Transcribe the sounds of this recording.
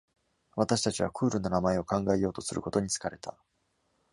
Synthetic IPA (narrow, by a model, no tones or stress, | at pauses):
βat̪aɕi̥t̪at͡ɕiβakʰɯ̟ːɾɯnonamae̞o̞kãŋɡae̞jo̞ːt̪o̞sɨɾɯ̟ko̞t̪o̞ɲ̟it͡sɨ̥kaɾe̞t̪ʰa